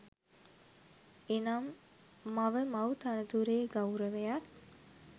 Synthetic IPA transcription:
enamː | aʋəmɐwt̪anəd̪uɾeːɡɐwɾəʋejat

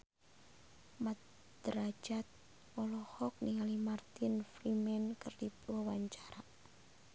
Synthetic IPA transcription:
mat̪ | d̪̥əɾḁd͡ʒat̪̚ | ɔlɔhɔk̚niŋalimart̪ɪnfɾimɛnkərdipwɔwaɲt͡ʃḁɾaʔ

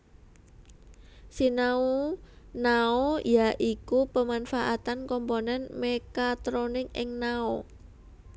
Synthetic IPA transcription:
sinaunaojaʔikupəmanfaʔat̪ankɔmponɛnmekat̪ɾonɪŋɪ̰ŋnao

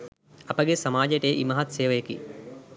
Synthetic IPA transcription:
ɐpəɡesɐmaːd͡ʒəʈejːʔimɐɦɐt̪seːʋəjekḭ

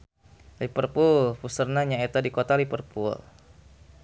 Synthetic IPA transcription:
lipərpulpusərnaɲaet̪adikot̪alipərpul

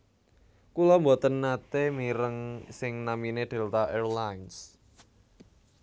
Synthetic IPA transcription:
kulɔmbɔt̪ənːat̪emiɾəŋsɪŋnamined̪̥e̤lt̪aʔɛrlajns

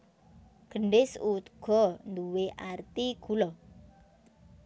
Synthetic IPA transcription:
ɡ̥əɳɖɪsut̪̚ɡ̥ɔnd̪uweʔart̪iɡ̥ulɔ

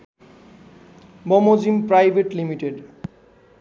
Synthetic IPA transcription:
bɔmod͡ʑimpɾajbʱeʈlimiʈeɖ

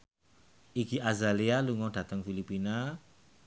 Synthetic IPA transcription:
ikiʔazalialuŋɔɖ̥ä̤t̪əŋfilipina

